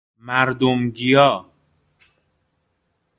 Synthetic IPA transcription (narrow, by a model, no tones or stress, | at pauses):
mæɾd̪omɡijɒː